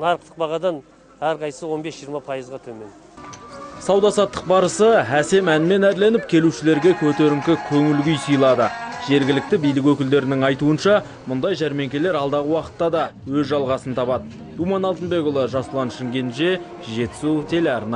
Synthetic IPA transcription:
nɑɾəq̚t̪ʰə̥q̚bɑʁɑd̪ɑn | æɾqʰɑjsəwo̞nbesʒijəɾmɑpʰɑjəzʁɑt̪ʰɵme̞n | sɑwd̪ɑsɑt̪ːə̥q̚bɑɾəsəæse̞mænɪme̞næɾle̞nɪp̚kʲʰe̞luʃɪle̞ɾɡʲe̞kʲʰɵt̪eɾɪmkʲɪkʲʰɵŋɪlɡʲʏjsijlˠɑd̪əʒ̥e̞ɾɡʲɪlɪk̚t̪ɪbijlɪk̬wɵkʲɪld̪e̞ɾɪnɪŋɑjt̪uənʃɑ | mʊnd̪ɑjʒæɾme̞ŋkʲe̞le̞ɾɑlˠd̪ɑʁəwɑqə̥t̪ːɑd̪ɑ | wɵzʒɑlˠʁɑsənt̪ʰɑpɑd̪ə | d̪̥umɑnɑlˠt̪ənbe̞kʊlˠəʒɑslˠɑnʃɪŋɡʲe̞nʃe̞ | ʒe̞t̪ɪ̥sut̪ʰe̞leɑɾnɑ

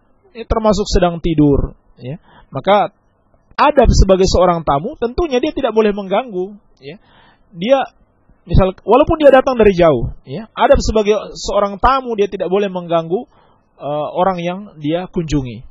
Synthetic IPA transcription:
at̪ərmas̬ʊksədaŋt̪idʊr | ja | maka | adap̚səbaɡajsəoɾaŋt̪amut̪ənt̪uɲadiat̪idaʔbolɛhməŋɡaŋɡu | ja | dia | misalwalaupʊndiadat̪aŋdaɾid͡ʒaʊ̰hjaadap̚səbaɡajsəoɾaŋt̪amudiat̪idaʔbolɛhməŋɡaŋɡu | əoɾaŋjaŋdiakuɲd͡ʒuŋḭ

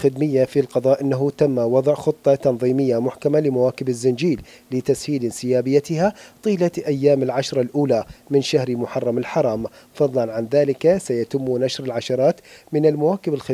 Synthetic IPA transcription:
xɪd̪mɪjːafilqɑðˤɑːʔɪnːaɦʊt̪amːawɑðˤʕxʊt̪ˤːɑt̪ɑnðˤiːmɪjːamʊħkamalɪmawaːkɪbɪzːɪnd͡ʒiːlː | ɪt̪ashiːlɪnsɪjaːbɪjːat̪ɪhat̪ˤiːlaʔajːaːmɪlʕaʃɾˤɑlʔuːlamɪnʃahɾmʊħɑrˤːɑmɪlħɑɾˤɑːm | fɑðˤlɑnʕanðaːlɪkasajat̪ɪmːnaʃɾɪlʕaʃɑɾˤɑːt̪mɪnɪlmawaːkɪbɪlxɪ

